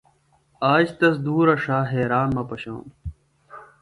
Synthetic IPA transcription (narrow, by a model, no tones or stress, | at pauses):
aːd͡ʑt̪ɐs̬d̪uːɾɐʂaːɦeːɾaːnmɐpɐɕõ̰ːm